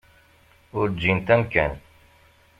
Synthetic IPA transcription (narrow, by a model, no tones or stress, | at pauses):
ʊɾd͡ʒint̪æmkæ̰n